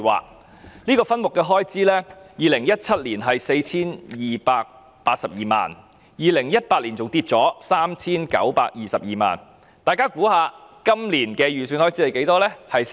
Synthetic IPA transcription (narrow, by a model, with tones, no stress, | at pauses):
wa̰ː˨k̚ | liː˥kɔː˧fɐ˥nmʊ˨kːɛ˧ɦɔː˥jt͡siː˥lɛː˥jiː˨˧lɪ˨˩ŋjɐ˥t̚t͡sʰɐ˥t̚liː˨˩nɦɐ˨jse˧jt͡sʰiː˥njiː˨paː˧k̚ | paː˧t̚sɐ˨p̚jiː˨˩ma̰ː˨n | jiː˨lɪ˨˩ŋjɐ˥t̚paː˧t̚liː˨˩nt͡sʊ˨ŋt̪iː˧t̚t͡sɔː˨˥saː˥mt͡sʰiː˥nkɐ̰˨˥wpaː˧k̚jiː˨sɐ˨p̚jiː˨ma̰ː˨n | t̪aː˨jkaː˥kuː˨˥haː˨˧kɐ˥mliː˨˩nkɛː˧jyː˨˩syː˨˧nhɔː˥jt͡siː˥lɐ˨˧jke˨˥jt̪ɔː˥lɛ˥hɐ˨j